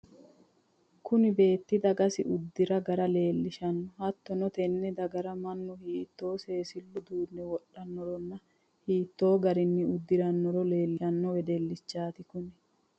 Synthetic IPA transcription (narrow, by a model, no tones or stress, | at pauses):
kʊnɪbe̞ːt̪ːɪd̪ɐɡɐsɪʔʊd̪ːɪɾɐɡɐɾɐle̞ːlːɪʃɐnːɔhɐt̪ːɔnɔt̪ɛnːɛd̪ɐɡɐɾɐmɐnːʊhiːt̪ːo̞ːse̞ːsɪlːʊd̪uːnːɛwɔɗːɐnːɔɾɔnːɐ | hiːt̪ːo̞ːɡɐɾɪnːɪʊd̪ːɪɾɐnːɔɾɔle̞ːlːɪɐnːɔwɛd̪elːɪt͡ʃːaːt̪ɪkʊnɛ